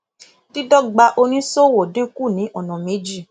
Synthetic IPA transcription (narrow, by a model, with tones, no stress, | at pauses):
ti˦dɔ˦ɡ͡ba˧ʔo˧nĩ˦so˦˨wo˨dĩ˦ku˦˨nĩ˨˦ʔɔ˦˨nɔ̃˨me˨˦d͡ʒi˦˨